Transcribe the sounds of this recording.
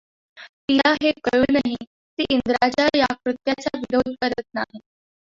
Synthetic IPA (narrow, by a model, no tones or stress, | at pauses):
pilaɦekəjuːnaɦi | t̪iːʔind̪ɾad͡ʑajakɾut̪jat͡ɕaʋiɾod̪̚ʱkəɾət̪̚naɦe